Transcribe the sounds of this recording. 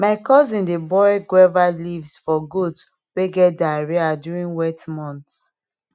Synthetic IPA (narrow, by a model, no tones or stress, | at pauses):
maɪkɔzĩndebɔjɡwɛvalivsfɔɡud | weɡɛt̚daɹiadjuɹĩnwɛtmɔ̃nts